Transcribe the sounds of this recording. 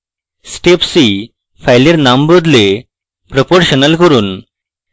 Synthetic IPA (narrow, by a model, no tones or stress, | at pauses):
sʈepsi | fʰajleɾnambəd̪le | pɾɔpoɾɕənəlkəɾuːn